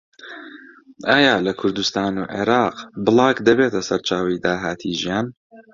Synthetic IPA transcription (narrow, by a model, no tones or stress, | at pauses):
ʔaːjaːlɐkʰʊɾd̪ust̪aːnuːʕḛɾɑːqbɨlˠɑːkd̪ɐbeːt̪ʰɐsɐɾt͡ʃaːwid̪aːɦaːt̪ʰiːʒijaːn